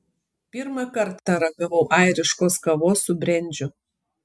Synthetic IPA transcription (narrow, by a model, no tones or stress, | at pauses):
pʲɪɾmɐˑkɐɾt̪ːɐɾɐɡɐʋɐʊʔɑˑɪɾʲɪʃkoːskɐʋoːsʊbʲɾʲɛnʲˑd͡ʒʲʊ